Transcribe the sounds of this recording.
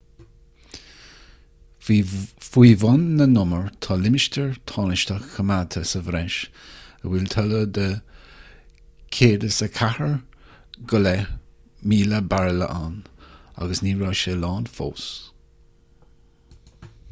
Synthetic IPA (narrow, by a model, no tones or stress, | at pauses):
fiːvʊnːənʊməɹt̪ʰɑːlɪmɪʃtʰəɹt̪ʰɑːnɪʃt̪əxkʰəmat̪ʰəsəvɾɛʃəwɪlt̪ʰɔləd̪ə | kʰeːdəsəkʰahəɹ | ɡɔlɛ | miːləbaɹələ̰ʔana̰ɡəsniːɹɔːʃelɑːnfo̰ːs